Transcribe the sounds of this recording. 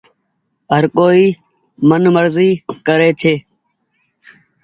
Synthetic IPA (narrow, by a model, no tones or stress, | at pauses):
ɦəɾkoːiː | mənməɾziːkəɾeːt͡ʃʰeː